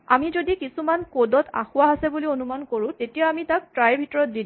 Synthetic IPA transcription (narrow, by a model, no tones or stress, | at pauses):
amizodikisumankodɔta̰xʊwaɦasɛbulionumankoɹʊ̃tetijaamitak̚tɹajbʱitɔɹɔt̚did